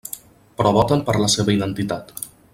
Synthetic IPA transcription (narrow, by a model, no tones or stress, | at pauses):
pɾɔβɔt̪əmpəɾləseβəiðənt̪it̪at̪